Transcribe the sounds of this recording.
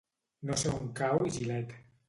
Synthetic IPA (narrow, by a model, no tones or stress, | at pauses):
noseuŋkawiʒilɛt̪